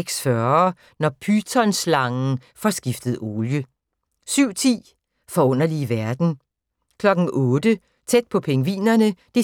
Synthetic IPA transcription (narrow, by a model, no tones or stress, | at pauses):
ɡ̥sfɶɐ | nɒpʰyt͡sʰɒ̽nslɑ̈ŋn̩ | fɒ̽sɡ̥ifd̥əð̞̩ˠo̝ːljə | syʊ̰t͡sʰḭː | fɒ̽ɔ̽n̰ɐliʋæɐd̥n̩ | kʰlɒ̽ɡ̥n̩ʔɔ̽ːd̥ə | t͡sʰed̥̚pʰɒ̽pʰeŋəʋḭːnɐnəd̥e̝